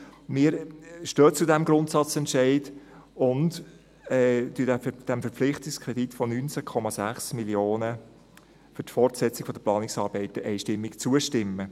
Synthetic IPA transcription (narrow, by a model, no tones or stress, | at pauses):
mɪːɾʃtøːt͡sudæmɡɾʊntsɑt͡sɛntʃɛɪdʊnt | ɛdyədæd̥æmfəɾp͡flɪχtɪkskʰɾɛd̥̪itfɔnynt͡sækʰɔmɑsæχsmiljoːnə | fʏɾtfɔrtsɛt͡sɪɡ̥fɔdəplɑːnɪksɑːɾb̥ɛɪtəʔɛɪʃtɪmːɪkt͡suəʃtɪmːə